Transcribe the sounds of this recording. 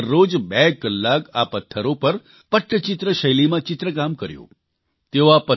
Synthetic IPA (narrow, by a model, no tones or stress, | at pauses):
ɾːod͡ʒbɛkəlːakapət̪ʰːəɾopəɾ | pəʈʰːət͡ʃɪt̪ɾəʃəjlimãt͡ʃɪt̪ɾəkamkəɾjõ̰ː | t̪eoapə